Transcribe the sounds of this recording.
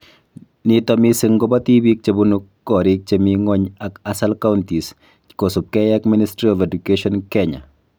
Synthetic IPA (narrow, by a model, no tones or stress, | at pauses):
nitɔmisɨŋɡɔbatibik̚t͡ʃebunukːɔɾik̚t͡ʃemiŋɔɲakasalkawntis | kosup̚kɛjakministɾiɔvɛdukeʃɔnkɛɲa̰